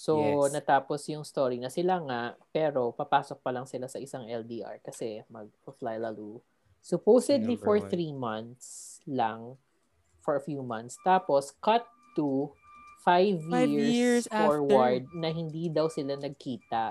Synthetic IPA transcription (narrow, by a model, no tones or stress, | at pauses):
sonɐt̪aːposjʊŋst̪oːɹinɐsɪlaŋaʔpɛːɾo̞pɐpaːsok̚pɐlɐŋsɪlasɐʔɪsaŋʔɛld̪iʔa̰ɹkɐsɛmɐɡ̚fʊflajlɐlu | sʊpowsɛd̪lifɔɹθɹimɐnt̪slɐŋ | fɔɹɐfjuːmɐnt̪st̪aːpo̞skɐt̪ːu | fajvjiɹssfoɹwɐɹd̪̚nɐɦɪnd̪iːd̪ɐwsɪlanɐɡ̚kiːt̪ɐʔ